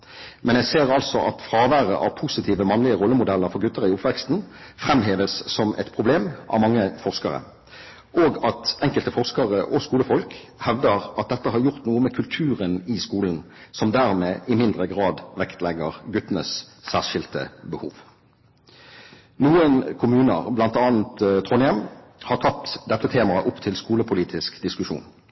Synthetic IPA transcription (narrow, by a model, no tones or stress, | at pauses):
mɛnjæɪseːʁɑlsɔʔɑt̪fʁɑːʋæːʁə̰ʔɑʋpʰʊsɪt̪ʰiːʋəmɑnlɪəʁɔlːəmʊd̪ɛlːəʁfɔʁɡʉt̪ːəʁɪʊpʋɛkst̪n̩fʁɛmɦeːʋəsːɔmʔɛ̰t̪pʰʁʊbleːmʔɑ̰ʋmɑŋːəfɔʁskɑʁə̰ | ʔoːɡɑt̪ɛŋkəlt̪əfɔʁskɑʁəʔɔskuːləfɔlk | hɛʋd̪əʁɑt̪̚d̪ɛt̪ːəɦɑɾjʊʁt̪nuːəmɛkʰʉlt̪ʰʉːʁənɪskuːln̩ | sɔmd̪æːʁmeːʔɪmɪnd̪ʁəɡʁɑːd̪ʋɛkt̪lɛɡəʁɡʉt̪nəssæːʁʃɪlt̪ə̰bəhuːʋ | nuːənkʰʊmʉːnə̰ʁblɑnt̪ɑːn̩t̪t̪ʰʁoːnɪɛm | hɑɾt̪ʰɑt̪ːd̪ɛt̪ːət̪ʰeːmɑəʔʊpt̪ʰɪlskuːləpʰʊliːt̪ʰɪskd̪ɪskʉʃṵːn